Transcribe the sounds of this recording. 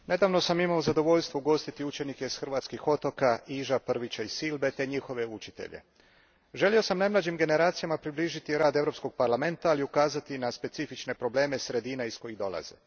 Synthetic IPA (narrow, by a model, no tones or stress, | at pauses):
ne̞d̪aːʋno̞samimaozad̪o̞ʋo̞ʎʲst̪ʋouɡo̞st̪it̪iut͡ʃe̞nike̞isxr̩ʋaːt̪skixo̞t̪o̞kaiːʒapr̩ʋit͡ɕaisilˠbe̞t̪e̞ɲixo̞ʋe̞ut͡ʃit̪e̞̰ʎḛ | ʒe̞lio̞samnajmlˠad͡ʑimɡe̞ne̞ɾaːt̪sijamapɾibliːʒit̪iɾaːd̪e̞vɾo̞psko̞ɡ̥̚paɾlˠame̞nt̪aːliukaːzat̪inaspe̞t̪sifit͡ʃne̞pɾo̞ble̞ːme̞sɾe̞d̪iːnaisko̞jiɣd̪o̞lˠa̰zḛ